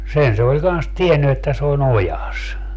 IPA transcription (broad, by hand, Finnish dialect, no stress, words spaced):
sen se olʲ kɑns tienːy etːæ se on ojɑs